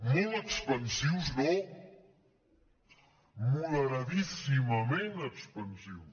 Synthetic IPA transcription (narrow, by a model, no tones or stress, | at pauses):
muəkspənsiwznɔ | muðəɾaðisimɐmẽnəkspɐnsiws